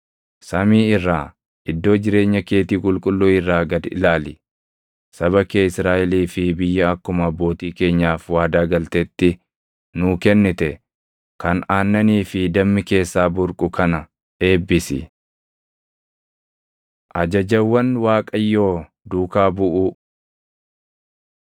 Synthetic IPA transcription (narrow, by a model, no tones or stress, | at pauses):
sɐmiːɪrːaː | ɪd̪ːo̞ːd͡ʒɪɾe̞ːɲːɐke̞ːt̪iːkʼʊlkʼʊlːuːɪrːaːɡɐd̪ɪ̰laːlɪ | sɐβɐkeːɪsɾaːʔɛliːfɪbɪjːɐɐkːʊmɐbːo̞ːt̪iːke̞ːɲːaːfwaːd̪aːɡɐlt̪ɛt̪ːɪ | nʊːkɛnːɪt̪ɛ | kɐnaːnːɐniːfɪd̪ɐmːɪke̞ːsːaːbʊɾkʼʊkɐnɐ | e̞ːbːɪsɪ̰ | ʔɐd͡ʒɐd͡ʒɐwːɐnwaːkʼɐjːo̞ː | d̪uːkaːbʊʔʊ